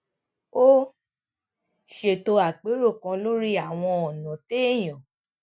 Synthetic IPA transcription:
o˦ | ʃe˨to˧a˨k͡pe˨˦ɾo˦˨kã˧lo˦ɾi˦a˦˨w̃ɔ̃˧ɔ˨nã˨te˦e˦˨j̃ɔ̃˨

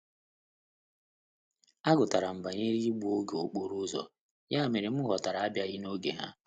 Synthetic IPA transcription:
a˦ɡʊ˨ta˨ɾa˨m̩˨ba˨ɲe˦ɾi˦i˦ɡ͡bu˦o˦ɡo˨k͡po˦ɾu˦zɔ̰˨ | ja˦˨me˨ɾe˨m̩˦ɣɔ˨ta˨ɾa˨a˦bja˦ɣɪ˦no˦ɡe˨ɦa̰˦

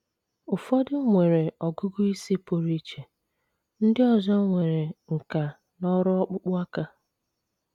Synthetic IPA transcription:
ʊ˨fɔ˦dɪ˦ŋʷe˨ɾe˨ɔ˨ɡʊ˦ɡʊ˦i˦si˦po˨ɾi˦t͡ʃe˨ | n̩˦dɪ˦ɔ˨zɔ˦ŋʷe˨ɾe˨ŋ̩˨ka˨ | nɔ˦ɾʊ˦ɔ˦k͡pʊ˦k͡pʊ˦a˦ka˦

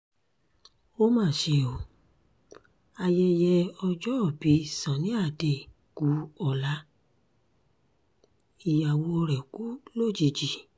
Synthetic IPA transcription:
o˦mãː˦˨ʃe˧˨o˨ | a˧jɛ˧jɛ˧ɔ˧d͡ʒɔ˦˨bi˨˦sã˨nĩ˨˦a˦˨de˨ | ku˨˦ɔ˨la˨˦ | i˨ja˨wo˧ɾɛ˨ku˦lo˦˨d͡ʒi˨d͡ʒi˨

